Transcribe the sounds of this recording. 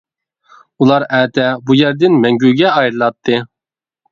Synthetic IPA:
ulˠɑɾɛːt̪ʰɛbujæɾd̪ɪnmɛŋɡʲyɡʲɛɑjɾɨlˠɑt̪ʰːɨ

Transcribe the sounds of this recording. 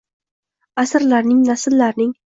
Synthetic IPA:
asɾlaɾnɪŋnasɪlːaɾnɪŋ

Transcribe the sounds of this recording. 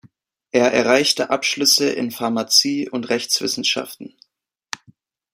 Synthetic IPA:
ʔeːɐʔɛɐʁaɪçtəʔapʃlʏsəʔɪ̰nfaɐmat͡siːʊntʁɛçt͡sv̥ɪ̰sn̩ʃa̰ftn̩

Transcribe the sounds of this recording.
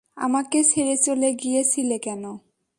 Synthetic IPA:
a̰makesʰeɹesoleɡijesʰilekɛnɔ

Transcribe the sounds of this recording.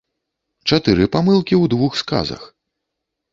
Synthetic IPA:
t͡ʂat̪ɨɾɨpamɨlˠkʲiwd̪vuxska̰zɐ̰x

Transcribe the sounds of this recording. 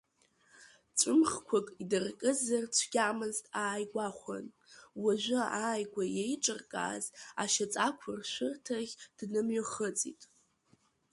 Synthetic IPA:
t͡ʃʷʼʊmχkʷʰakʼidɨrkʼɨzart͡ɕʷʰɡ̥ʲamɨztʼaːjɡʷaχʷa̰n | waʒʷʊaːjɡʷajejʈ͡ʂʼɨrkʼa̰ːza̰ʃat͡sʼakʷʰʊrʃʷʊrtʰaʁʲd̥nɨmɥoχət͡sʼḭtʼ

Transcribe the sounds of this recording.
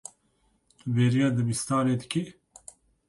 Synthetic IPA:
t̪ubeːɾijɑːd̪ɨbist̪aːɾeːd̪ɨki

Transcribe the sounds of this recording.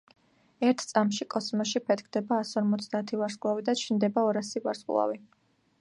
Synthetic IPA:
ɛɾt̪ʰt̪sʼamʃikʼɔsmɔʃipʰɛt̪kʰd̪ɛbaːsɔɾmɔt̪sʰd̪aːt̪ʰivaɾskʼlˠavid̪at͡ʃʰind̪ɛbaɔɾasivaɾskʼlˠa̰vi

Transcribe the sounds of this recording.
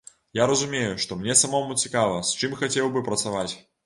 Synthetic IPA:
jaɾɐzumʲejuʂt̪ɔmnʲɛsamɔmut͡sʲikavɐst͡ʂɨmxat͡sʲɛwbɨpɾɐt̪savat͡sʲ

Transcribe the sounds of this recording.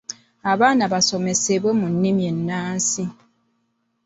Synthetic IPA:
abanabasɔmɛsebəmun̩nimjenːaːn̩si

